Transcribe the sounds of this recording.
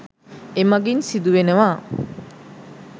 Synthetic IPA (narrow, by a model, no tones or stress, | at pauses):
emɐɡinsid̪uʋenəʋaː